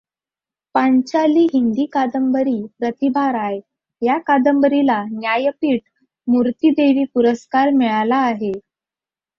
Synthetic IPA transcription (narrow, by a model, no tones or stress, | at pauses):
paɲt͡ɕaliːɦind̪iːkad̪əmbəɾiːpɾət̪ibaɾaj | jakad̪əmbəɾilanjajəpiːʈ | muɾt̪iːd̪eʋiːpuɾəskaɾmɛɭalaːɦe